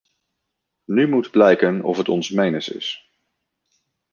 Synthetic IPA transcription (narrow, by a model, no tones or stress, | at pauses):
nymutblɛjkənɔ̰fɦətɔ̰nsmejnəsɪ̰s